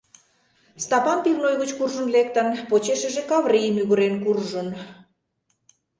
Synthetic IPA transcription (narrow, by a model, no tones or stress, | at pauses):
st̪ɑpɑnp̪ilnojɣət͡ɕkurʒə̆nlek̚t̪ənpot͡ɕeʃə̆ʒekɑvrijəmyɣəɾenkurʒə̆n